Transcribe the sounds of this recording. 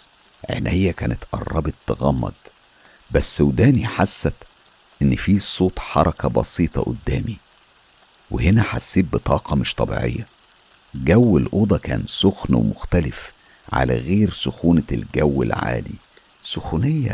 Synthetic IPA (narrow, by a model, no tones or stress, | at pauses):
ʕḛnʔejːækæːnet̪ʔɑ̰rˤːɑ̰bet̪ːɑɣɑmːɑ̰d̪ˤ | bæsːʔowd̪æːniħasːæt̪ | ʔenːfiːsˤoːt̪ˤħɑɾˤɑkæbɑsiːt̪ˤɑ̰ʔo̰d̪ːæːmi | wehenæħasːiːt̪̚bet̪ˤʰɑːqɑmoʃt̪ˤʰɑbḭːʕḛjːæ | ɡæwːelʔoːd̪ˤɑkæ̰ːnsoxnwemʊxt̪ælef | ʕa̰læ̰ɣeːɾsoxuːnlɡæwːḛlʕa̰ːli | soxunejːæ̰